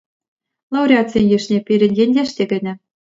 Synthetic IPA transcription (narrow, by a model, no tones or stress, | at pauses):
lˠɑwɾʲeat͡sinʲjĭʃnʲepʲiɾʲɘ̆nʲjenʲd̪ʲeʃt̪ʲeɡɘ̆nʲɘ̆